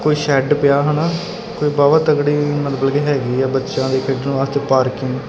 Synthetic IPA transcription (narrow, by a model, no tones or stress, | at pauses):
koːiːʃɛːɖpɪjaːɦənaː | koːiːbaːʋət̪əɡɽiːmət̪əbəlkeːɦɛːɡiːɛːbətːʃãːd̪eːkʰɪɖnːʋaːst̪eːpaːɾkɪŋɡ